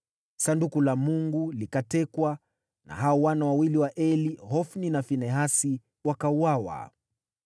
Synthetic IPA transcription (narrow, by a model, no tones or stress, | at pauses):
sandukulamuŋɡulikatɛkwa | na̰ɦaɔwanawawiliwaʔɛliɦɔfninafinɛɦasi | wakauawa̰